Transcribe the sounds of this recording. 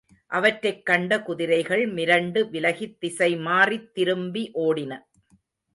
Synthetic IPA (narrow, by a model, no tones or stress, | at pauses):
ʔɐʋɐʈɾɐɪkːɐɳɖɐkʊðɪɾɐɪɣɐɭmɪɾɐɳɖɯʋɪlɐɣɪt̪ːɪsɐɪmaːrit̪ːɪɾɯmbiʔoːɽɪnɐ